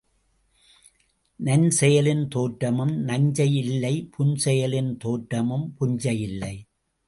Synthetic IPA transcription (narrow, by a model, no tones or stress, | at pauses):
nɐnsɛjɐlɪnt̪oːʈɾɐmɯmnɐɲd͡ʒɐjɪlːɐɪpʰʊnsɛjɐlɪnt̪oːʈɾɐmɯmpʊɲd͡ʒɐjɪlːɐɪ